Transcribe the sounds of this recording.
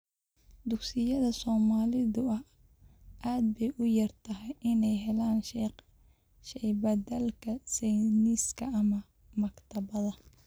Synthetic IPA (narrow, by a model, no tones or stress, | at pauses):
d̪ʊɡsɪjɐðɐsɔːmaːlɪðʊɐh | ʔaːd̪̚bɛjʔʊjɐrt̪ʰɐɦɛjʔɪnɛjɦɛlaːnʃ | ʃɛjbɐd̪ɐlkʰɐsɛjniːskʰɐʔɐmɐ | mɐkt̪ʰɐβɐðɐ